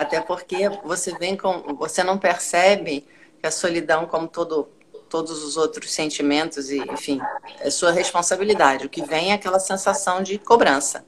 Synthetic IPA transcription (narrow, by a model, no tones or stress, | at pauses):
at̪ɛpoɾkevosevẽj̃kõvosenɐ̃w̃peɾsɛbɪ | kɪɐsolid̪ɐ̃w̃kõmʊt̪od̪ʊ | t̪od̪ʊzʊzowt̪ɾʊssẽnt͡ʃimẽnt̪ʊzɪḛ̃fĩɛsuɐɦespõsabilid̪ad͡ʒɪʊkɪvẽj̃ɛakɛlɐsẽsasɐ̃w̃d͡ʒɪkobɾɐ̃sɐ̰